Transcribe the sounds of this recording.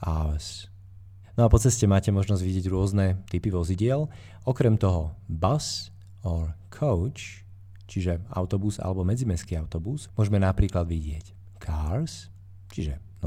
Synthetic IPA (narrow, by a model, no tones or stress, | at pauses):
ʔas | nɔapɔt͡sɛscɛmaːcɛmɔʒnɔzɟʋiɟɪɛɟɾʊɔznɛt̪ipiʋɔziɟɪɛl | ʔɔkɾɛmt̪ɔɦɔbas | ɔɾkʰɔʊt͡ʃ | t͡ʃiʒɛa̰ʊt̪ɔbuza̰lɛbɔmɛd͡zimɛskiːaʊt̪ɔbusmʊɔʒɛmɛnapɾiːklad̪ʋiɟɪɛc | kʰaːɾs | t͡ʃiʒɛ | nɔ